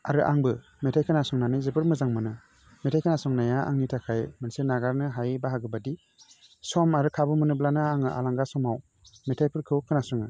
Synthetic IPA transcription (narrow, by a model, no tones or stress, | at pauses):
a̰ɾɯʔaŋbɯ | metʰajkʰɯnasɔŋnanɯjzɯpʰɯɾmɯzaŋmɯnɯ | metʰajkʰanasɔŋnajaʔa̰ŋnitʰakʰajmɯnsenaɡaɾnɯɦajbaɦaɡɯbadi | sɔmaɾɯkʰabɯmɯnɯblanɯaŋɯʔa̰laŋɡasɔmaw | metʰajpʰɯɾkʰɯkʰɯnasɔŋɯ